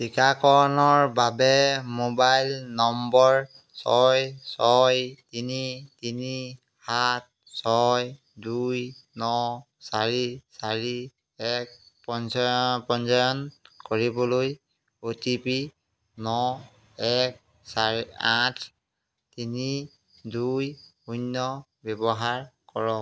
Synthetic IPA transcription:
tikakɔɹnɔɹbabɛmobajlnɔmbɔɹ | sɔjsɔjtinitini | hat̚ | sɔj | dujnɔ | saɹisaɹi | ɛk̚pɔnspɔnzajɔnkoɹibɔloj | otipi | nɔ | ɛk̚ | saiatʰ | tini | duj | unɔ | bɛbɔɦaɹkɔɹɔ

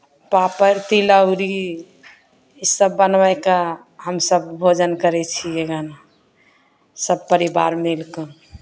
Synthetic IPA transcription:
papəɾt̪iləɾi | isəbːənʋaeka | ɦəmsəbbʱod͡ʒənkəɾɛt͡ʃʰieɡana | səb̚pəɾiba̰ɾmelkə

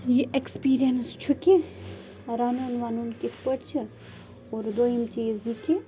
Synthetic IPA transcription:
jiʔekspiːɾijɐnst͡ʃʰuki | ɾaːnunʋaːnunkipəʈt͡ʃʰi | oːɾd̪oːjimt͡ʃiziki

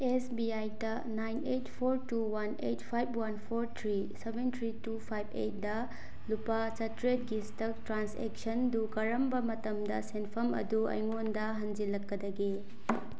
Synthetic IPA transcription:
esbiajdɐ | najnetpʰoɾtuwɐnḛjtpʰajbʰwɐnpʰoɾt̪ʰɾi | sebent̪ʰɾitupʰajbḛjt̚dɐ | lupat͡ʃɐtɾet̚ɡistɐk̚tɾansḛk̚sɐndukɐɾɐmbɐmɐtɐmdɐsenpʰɐmɐ̰duɐ̰jŋondɐɦɐnd͡ʒilɐkːɐdɐɡe

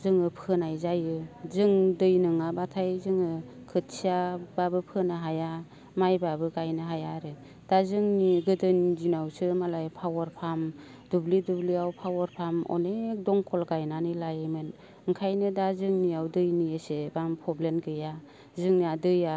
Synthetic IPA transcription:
zɯŋɯpʰɯnajzajɯzɯŋdɯjnɯŋabatʰajzɯŋɯ | kʰɯt̚siababɯpʰɯnaɦaja | majbabɯɡajnɯɦajaɾɯ | d̥azɯŋniɡɯdɯnzinawsɯmalajpʰawaɾpʰam | d̥ublidubliawpʰawaɾpʰamɔ̰nek̚dɔŋkʰɔlɡajnanɯlajmɯn | ɯŋkʰajnɯdazɯŋniawdɯjniesebampʰɔblenɡɯja | zɯŋniadɯja

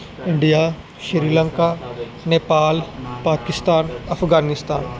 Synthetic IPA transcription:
ɪ̃ɳɖijaː | ʃiɾiːlɐ̃ŋkaː | neːpaːlpaːkɪst̪aːnɐfʰɡaːnɪst̪aːn

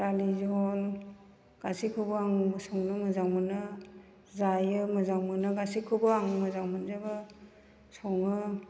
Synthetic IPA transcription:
ɾalizɔl | ɡ̥asikʰɯbɔaŋbɯsɔŋnɯmɯzawmɯnɯ | zajɯmɯzawmɯnɯɡasikʰːɯbɔaŋmɯzawmɯnzabɯ | sɔŋɯ

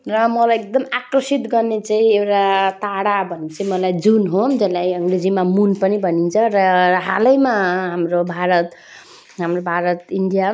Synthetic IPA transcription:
rʌmʌlajek̚d̪ʌmakrʌsit̪ɡʌrnet͡saĩewʈat̪aɽabʱʌnːet͡saĩmʌlajd͡zunɦod͡zʌlajʌmɾed͡zimamunpʌnibʱʌnint͡sʰʌrʌɦalʌjmaɦamrobʱaɾʌt̪ | ɦamrobʱaɾʌt̪inɖija

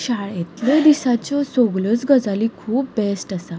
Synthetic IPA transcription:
ɕaɭet̪ləd̪isat͡ɕɔsɔɡlət͡sɡəd͡zalikʰuːp̚besʈasa

